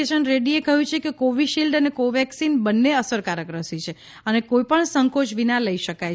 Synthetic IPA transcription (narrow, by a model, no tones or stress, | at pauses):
eʃənɾeɽiekəɦjũt͡ʃʰekekoʋiʃilɖənekoʋɛksinbənːeəsəɾkaɾjəkɾəsit͡ʃʰe | ənekoipəɳsəŋkot͡ʃʋinaləiʃəkaj